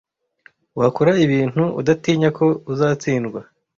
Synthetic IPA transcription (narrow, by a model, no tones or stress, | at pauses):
wakuɾaiβiːn̥huṵdatiːɲakʰo̞uzaːt͡siːnɡwa